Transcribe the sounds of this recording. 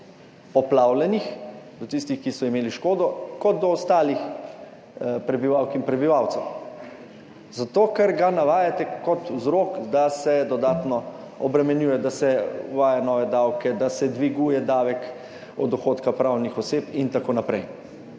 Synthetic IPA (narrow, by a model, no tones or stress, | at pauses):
ɔplawlɛnixd̪ɔt̪ist̪ixkisɔimeːliʃkoːd̪ɔkɔd̪d̪ɔːst̪aːlix | pɾɛbiʋawkinpɾɛbiʋawt̪sɛw | zat̪oːkɛɾɡanaʋaːjat̪ɛkɔt̪wzɾoːkd̪asɛd̪ɔd̪aːt̪nɔ | ɔbɾɛmɛnjuːjɛd̪asɛʋaːjanɔːʋɛd̪awkɛd̪asɛd̪ʋiɡuːjɛd̪aːʋɛk | ɔ̰d̪ɔxoːt̪kapɾawnixɔseːpint̪akoːnapɾɛj